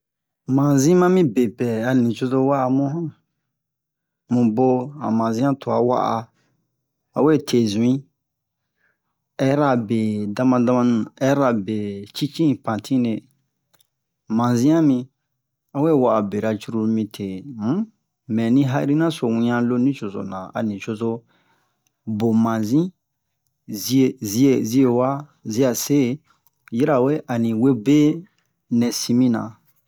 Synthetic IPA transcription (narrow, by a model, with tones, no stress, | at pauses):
mã˨zĩ˦mã˦mĩ˦be˨pɛ˨a˨lĩ˨t͡ʃo˧to˧wa˦ʔa˧mũ˦ɦã˦ | mũ˨bo˧a̰˨mã˨zĩ˦ã˦to˨a̰˨wa̰˦ʔa̰˧ | a˨we˦˨tʰe˨zũ˨ĩ˦ | ɛ˦ɾa˨be˨da˧mã˧da˧mã˧nũ˨ɛ˦ɾa˨be˨t͡ʃi˦t͡ʃĩ˦˨pã˨tʰĩ˦ne˨ | mã˨zĩ˦ã˦mĩ˧ | a˦we˦˨wa˨ʔa˨be˨ɾa˨t͡ʃu˦ɾu˦˧mĩ˧tʰe˨m̩˦ | mɛ̃˨nĩ˦ɦa˦ʔi˦ɾi˦nã˦so˨wĩ˧ɲã˧lo˦nĩ˦t͡ʃo˨zo̰˨nã˨a̰˨nĩ˨t͡ʃo˨zo˦ | bo˨mã˨zĩ˦ | zi˦e˨zi˦e˨zi˦e˨wa˦ | zi˦a˨se˦˨ | ji˦ɾa˨we˦ʔa˨nĩ˨we˦be˦ | nɛ̃˨si˧mĩ˦nã̰˨